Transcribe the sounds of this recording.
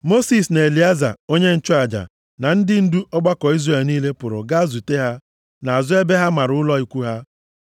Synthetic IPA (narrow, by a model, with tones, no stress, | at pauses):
mo˦si˨sne˨li˨a˦za̰˨o˦ɲe˦n̩˨t͡ʃʊ˦a˨d͡ʒa̰˨ | na˨n̩˦dɪ˦n̩˦du˦ʔɔ˦ɡ͡ba˦kɔ˨i˦zre˨lniː˦le˦pʊ˨ɾʊ̰˨ɡa˦zu˨te˦ɦa˦ | na˨a˨zʊ˦e˦be˦ɦa˦ma˨ɾʊ˨˦ʊ˦lɔ˦i˨kʷu˦ɦa˦